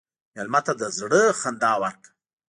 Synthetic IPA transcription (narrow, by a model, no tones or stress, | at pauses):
jalmat̪ad̪əzɽəxand̪ɑːwaɾk̪